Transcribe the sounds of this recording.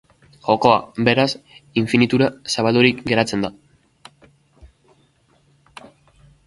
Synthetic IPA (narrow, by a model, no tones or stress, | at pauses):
xo̞ko̞a̰be̞ɾasiɱfinit̪uɾasaβ̞aloɾikɡe̞ɾat͡se̞nd̪a